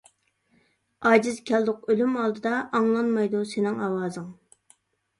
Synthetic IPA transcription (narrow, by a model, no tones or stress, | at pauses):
ɑːd͡ʒɪzkʲʰɛlˠd̪ʊqølymɑlˠd̪ɨd̪ɑʔɑŋlˠɑnmɑjd̪usenɪŋɑwɑːzɨŋ